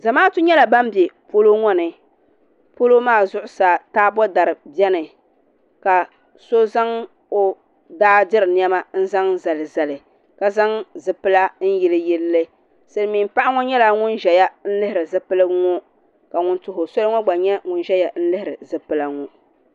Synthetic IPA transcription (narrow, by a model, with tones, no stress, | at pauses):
za˨maː˦tʊ˦ɲɛ˦la˨ba˦m˦bjɛ˨po˦lo˦ŋɔ˦nɨ˨ | po˦lo˦maː˦˨zʊ˦ʔʊ˦saː˨taː˦bɔ˦da˨ɾɨ˨bjɛ˦nɨ˨ | ka˨ | so˦za˦ŋ | o˨ | daː˦dɪ˦ɾɨ˨n˦ɛ˦ma˦n̩˦za˦ŋza˨lɨ˨za˨lɨ˨ | ka˨za˦ŋzɨ˨pɨ˦la˦n̩˦ji˨lɨ˦jɛ˦lːɨ˦ | sɨ˨lmi˨˦m˦pa˦ʔa˦ŋɔ˦ɲɛ˦la˨ŋʊ˦nʒɛ˨ja˦n̩˦lɨ˦hɪ˨ɾɨ˨zɨ˦pɨ˦lɨ˦ŋɔ˦ | ka˨ŋʊ˨ntʊ˨ɦʊ˨so˦lɨ˦ŋɔ˦ɡ͡ba˨ɲɛ˦ŋʊ˨n˦ʒɛ˦ja˨n̩˦lɨ˦hɪ˨ɾɨ˨zɨ˨pɨ˨la˨ŋɔ˦